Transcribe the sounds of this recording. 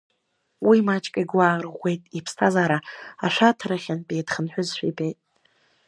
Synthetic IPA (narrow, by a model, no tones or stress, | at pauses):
wimat͡ʃʼkʼaiɡʷaːrʁʷe̞jtʼipʰstʰazaɾaaʃʷᶣatʰaɾaχʲanpʼejdχənħʷᶣʊzʃʷᶣḭpʰʼejtʼ